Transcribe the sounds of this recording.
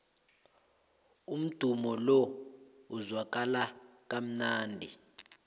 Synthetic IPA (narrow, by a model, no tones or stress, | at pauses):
um̩d̥ʱumɔlɔuzwak̬ʼalak̬ʼam̩naːndʱi